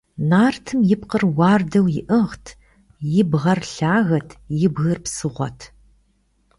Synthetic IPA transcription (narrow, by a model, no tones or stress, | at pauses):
naːrtʰɨmjɪpqərwɑːrdɐwjɪʔɨʁtʰ | jɪbʁɐrɬaːɣɐtʰjɪbɣɐrpsɨʁʷɔ̰tʰ